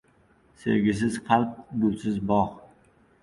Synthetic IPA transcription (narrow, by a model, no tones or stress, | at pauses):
sḛɾɡʲɪs̬ɪz̥qʰalq̚ɡʊlsɪzbɒχ